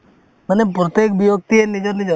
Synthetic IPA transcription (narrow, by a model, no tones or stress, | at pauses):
mənepɾɔt̪ekbijok̚t̪ienid͡ʒəɾnid͡ʒə